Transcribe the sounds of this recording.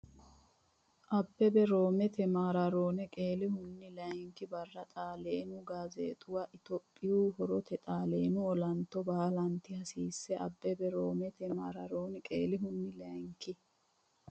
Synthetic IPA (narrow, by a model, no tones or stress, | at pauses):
ʔɐbːɛbɛɾo̞ːmɛt̪ɛmaːɾɐɾoːnɛkʼeːlɪhʊnːɪlɐŋkɪbɐrːɐt̪ʼaːleːnʊɡaːzḛːt̪ʼʊwɐʔɪt̪ɔpʼːɪjuːhɔɾɔt̪ɛt̪ʼaːleːnʊɔlɐnt̪ːɔbaːlɐnt̪ːɪhɐsiːsːɛʔɐ̰bːɛbɛɾoːmɛt̪ɛmaːɾɐɾoːnɛkʼḛːlɪɦʊnːɪlɐjŋkːɪ